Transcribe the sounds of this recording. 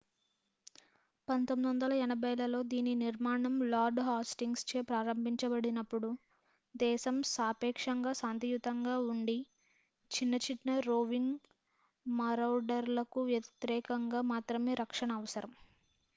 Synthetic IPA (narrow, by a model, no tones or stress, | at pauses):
pɐnt̪omid̪ʋɐnd̪ɐlɐɛnɐbɐjɐlɐlo̞ːd̪iːnːiniɾmaːɳɐmlaːɾɖɦaːsʈiŋɡst͡ʃe̞ːpɾaːɾɐmbʱiɲt͡ʃɐbɐɽinɐpːuɽu | d̪ɛːʃɐmsaːpɛːkʂɐŋɡaːsaːnt̪ijut̪ɐŋɡaːuɳɖi | t͡ʃinːɐt͡ʃiʈnɐɾoːʋiŋ | mɐɾɐwɖɐɾlɐkuʋjɐt̪ɾɛːkɐŋɡaːmaːt̪ɾɐme̞ːɾʔɐkʂɐɳɐːʋɐsɐɾɐm